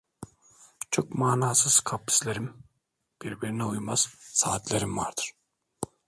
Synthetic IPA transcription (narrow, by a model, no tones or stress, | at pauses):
t͡ʃʰokmaːnɑːsɯz̥kʰapːi̥sleɾim | b̥iɾbiɾinɛujmɑz̥sɑːt̪lʲeɾimvɑ̰ɾd̪ɯɾ̥